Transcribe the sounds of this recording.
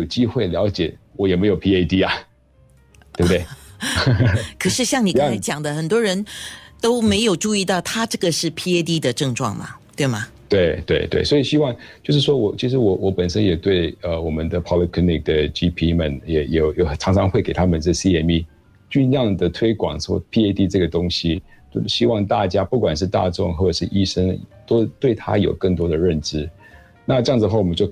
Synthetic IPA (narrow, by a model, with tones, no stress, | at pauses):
jo˨˩ʊt͡ɕi˥xwe˥˩ɪljɑ˧˥ʊt͡ɕjɛ˨˩˦wɔ˧˥jɛ˨˩me˧˥ɪjo˨˩ʊpʰi˥e˥ɪt̪i˥ɐ˨ | t̪we˩bɨ˩t̪e˥˩ɪ | kʰə˨˩ʂɻ̩˥˧ɕjɑ˥˩ŋni˨˩ka˧˥ɪt͡ɕjɑ˨˩ŋd̪ə˦xə˨˩nt̪̬wɔ˥ɻə˧˥nt̪o˥ʊme˧˥ɪjo˨˩ʊʈ͡ʂu˥˧i˥˧t̪ɑ˥˩ʊt̪ʰa˥ʈ͡ʂɤ˥˩ɡə˩ʂɻ̩˥˩pʰi˥e˥ɪt̪i˥d̪ə˨ʈ͡ʂɤ˥˧ŋʈ͡ʂwɑ̰˥˩ŋmɐ̰˩t̪we˥˩ɪmɐ˩ | t̪we˥˩ɪt̪we˥˩ɪt̪we˥˩ɪswɔ˧˥i˨˩ɕi˥wɑ˥˩˧ŋt͡ɕjo˥˧ʊʂ̬ɻ̩˥˩ʂwɔ˥wɔ˧˩t͡ɕʰi˧˥ʂ̬ɻ̩˧˥wɔ˧˥wʔɔ˧˥pə˨˩nʂə˥njɛ˨˩t̪we˥˩ɪə˧˩wɔ˨˩mə˦nd̪ə˨pʰɑ˥li˥kʰli˥ni˥˩k̚d̪ə˩t͡ɕi˥pʰi˥mə˨njɛ˨˩˦jɛ˨˩jɛ˨˩ʈ͡ʂʰɑ˧˥ŋʈ͡ʂʰɑ˧˥ŋxwe˥˩ɪke˨˩ɪa˥mə˨nt͡sə˥˩˨si˥ɛ˧˩mi˥˧ | t͡ɕy˥˧njɑ˥˩ŋd̪ə˩t̪ʰwe˥ɪkwɑ˨˩˦ŋʂɔ̰˥pʰi˧˥e˥ɪt̪i˥ʈ͡ʂɤ˥˩ɡə˩t̪ʊ˥ŋɕi˨˥ | ɕi˥wɑ˥˧ŋt̪a˥˩t͡ɕja˥pu˥˩kwa˨˩nʂɻ̩˥˧t̪a̰˥˧ʈ͡ʂʊ̰˥˧ŋxwɔ˥˩ʈ͡ʂə˨˩ʂɻ̩˥˧˨ʔi˥ʂə˥ŋt̪o˥ʊt̪we˥˩ɪt̪ʰa̰˥jo˨˩ʊkə˥˩ŋt̪wɔ˥d̪ə˨ɻə˥˩nʈ͡ʂɻ̩˥ | na˥˧ʈ͡ʂɤ˥jɑ˥˩ŋd͡z̩̪˨˧xwa˥˩wɔ˨˩mə˦t͡ɕjo˥˩ʊ